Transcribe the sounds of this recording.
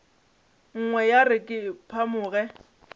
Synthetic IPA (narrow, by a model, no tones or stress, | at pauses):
ŋ̩ŋwɛjarɪkʼɪpʰamʊːɣɛ